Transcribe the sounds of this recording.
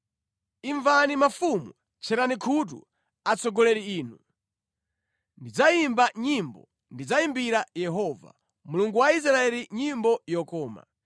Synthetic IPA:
iɱvanimafumṵ | t͡ʃʰɛɾanikʰut̬ṵ | at͡sɔɡɔlɛɾiiːnu | ndid͡zaimbaɲimbɔ̰ | ndid͡zaimbiɾajɛɦɔva̰ | muluŋɡuwais̬ɾaɛliɲimbɔjɔkɔːma̰

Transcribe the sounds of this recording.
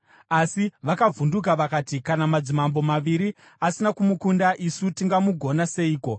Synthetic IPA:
asiʋakavunduk̬aʋakaːtikanamad͡zimambo̞maʋiɾi | asinakumukundaʔisutiŋɡamuɡʱo̞nase̞iːko̞

